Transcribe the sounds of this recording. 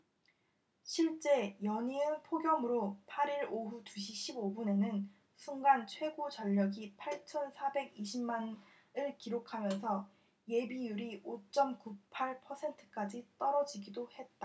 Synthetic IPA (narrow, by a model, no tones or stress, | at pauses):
ɕʰiɭt͡ɕ͈e̞jʌɲiɯnpʰoɡjʌmɯɾopʰaɾiɾoɦutuɕʰiɕʰibobune̞nɯn | sʰuŋɡant͡ɕʰwe̞ɡot͡ɕʌʎːʌɡipʰaɭt͡ɕʰʌnsʰabe̞ɡiɕʰimman | ɯɭkiɾokʰamjʌnsʰʌ | je̞bijuɾiot͡ɕ͈ʌmkupʰaɭpʰʌsʰe̞ntʰɯ̥k͈ad͡ʑit͈ʌɾʌd͡ʑiɡidohe̞t̚t͈a